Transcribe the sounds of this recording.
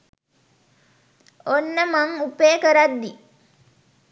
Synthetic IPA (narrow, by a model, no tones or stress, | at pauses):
onːəmaŋupeːkəɾad̪ːi